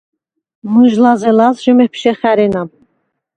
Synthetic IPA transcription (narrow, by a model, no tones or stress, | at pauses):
mɨʒlazɛlazʒəmɛpʰʃɛχæɾɛnab